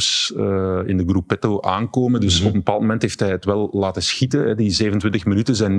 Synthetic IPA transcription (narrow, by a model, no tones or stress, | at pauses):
s | ɪ̰ndəɡrupːɛtoʔaːŋkoːmədɵsɔpənbə̥paːlˠtmomɛntɦeːftɦɛjətʋɛlˠːaːtəsxitəɦɛdizeːvənəntʋɪntəxmɪnytəzɛjn